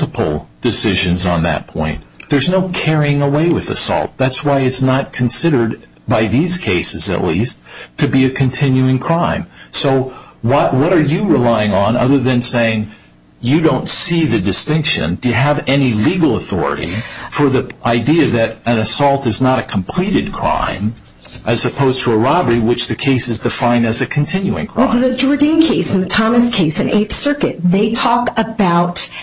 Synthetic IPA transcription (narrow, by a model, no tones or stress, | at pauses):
təpʰl̩ˠd̥ɨsɪʒɨ̃nzn̩ðɨ̰t̚pʰɔ̰̃ɪ̃nðə˞znoʊkʰɛɹiɪ̃ŋəweɪwɨðɨ̰sɔ̰lˠt̪̚ðætswaɪɨtsnət̚kʰn̩sɪɾə˞d̚ | baɪðiz̥kʰeɪsɨzɨ̰ʔˡlistʰɨbiɨkʰɨ̃ntʰɪ̃njʉɪ̃ŋkʰɹ̥ãɪ̃msoʊwawʌɾə˞jɨɹɪlaɪɪ̃ŋə̃nʌ̰ðə˞ðɨ̃nseɪɪ̃ŋ | jɨdõʊ̃ntsiðɨdɨstɪ̃ŋkʃɨ̰̃ndɨjɨəvɛniliɡl̩ˠəθɔ̰ɹɨ̰ɾḭfə˞ðiʔaɪdiɨðɨɾɨ̃nɨsɔlˠtɨznəɾɨkʰm̩pʰl̥iɾɨd̚kʰɹ̥ã̰ɪ̃m | ʔɨz̥ɨpʰoʊz̥tʰəəɹɑbə˞iwɨt͡ʃðɨkʰeɪsɨzdɨfãɪ̃ndɨzɨkʰɨ̃ntʰɪ̃njʉɪ̰̃ŋkʰɹ̥ɪɨd͡ʒɔɹdĩnkʰeɪsn̩ðɨtʰɑmɨskʰeɪsɨ̃nḛɪθsɜ˞kɨt̚ðeɪtʰɔkəbaʊt